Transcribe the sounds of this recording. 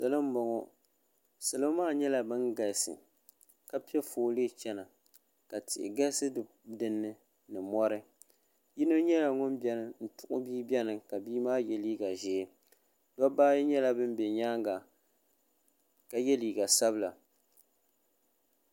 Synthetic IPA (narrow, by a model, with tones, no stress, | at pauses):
sa˨lɨ˦m̩˦bɔ˨ŋɔ˦ | sɨ˨lɨ˦maː˦˨ɲɛ˦la˨bɨ˦ŋɡa˨lsɨ̰˨ | ka˦pɛ˦foː˨leː˦t͡ʃɛ˦na˨ | ka˨tɪ˨ʔɪ̰˨ɡa˦sɨ˦ | dɨ˨nːɨ˦ | nɨ˨mɔ˦ɾɨ˦ | jɪ˦nɨ˦ɲɛ˦la˨ŋʊ˦nbɛ˦nɨ˨n̩˨tʊ˨ʔʊ˦biː˦bʲɛ˦nɨ˨ka˨biː˦maː˦jɛ˦liː˦ɡa˨ʒɛː˨˦ | dɔ˦baː˦ji˦ɲɛ˦la˦bɨ˦m˦bɛ˨ɲaː˦ŋɡa˨ | ka˨jɛ˦liː˨ɡa˨sa˦bɨ˦la˨